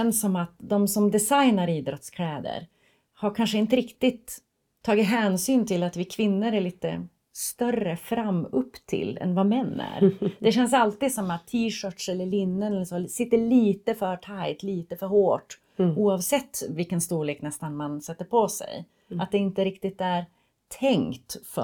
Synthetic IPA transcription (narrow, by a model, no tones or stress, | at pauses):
ɛnsːɔmat̪d̪ɔmsɔmd̪ɛsajnaɾiːd̪ɾɔt̪skʰlɛːd̪ə̰ɾ | haɾkʰanʂəɪnt̪əɾɪkt̪ɪt̪ʰː | ɑːɡɪt̪ɦɛːnsyːnt̪ʰɪlat̪vɪkʰvɪnːəɾæɭiːt̪ə̰ | st̪œrəfɾamːɵpːt̪ʰɪ̰lːɛ̰nvamɛnːæ̰ɾd̪ɛɕɛns̬alt̪iːd̪sɔmat̪ʰːiːʂœːʈʂɛlːəɭɪnːənɛlːəsɔsɪt̪ːəɭiːt̪əfœʈʰajt̪liːt̪əfœɾhoːʈ | uːɑvsɛt̪ːvɪlkːənst̪uːɭeːknɛst̪anmansɛt̪ːəɾpʰɔsɛ̰j | at̪̚d̪ɛɪnt̪əɾɪk̚t̪ɪt̪æɾ | t̪ʰɛŋt̪fœ̰